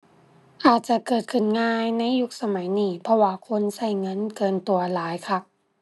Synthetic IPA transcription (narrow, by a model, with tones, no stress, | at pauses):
ʔaː˨˩t̪̚t͡ɕa˧˩kɤː˨˩t̪̚kʰɯ˨˩nŋaː˧jna˧˥˨jːu˦˥k̚sa˧ma˩˦jniː˧˩pʰɔ˧waː˧kʰo˧˥˨nsa˧˩jŋɤ˧˥˨nkɤː˧˩nt̪u˧˩ɐlaː˨˦jkʰa˧˩